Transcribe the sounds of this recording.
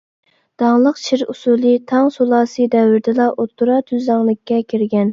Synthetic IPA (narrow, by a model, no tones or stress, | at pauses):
d̪̥ɑŋlˠəqt͡ʃʰiɾusulˠɨt̪ʰɑŋsolˠɑːsɨd̪ɛwɪɾd̪ɪlˠɑʔot̪ːuɾɑt̪ʰyzɑŋlˠɨkʲːɛkʲʰiɾɡʲɛn